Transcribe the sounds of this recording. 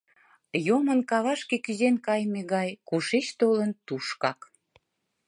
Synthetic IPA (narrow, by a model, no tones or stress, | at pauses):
jomənkɑβɑʃkekyzenkɑjmeɣɑjkuʃet͡ɕt̪olənt̪uʃkɑk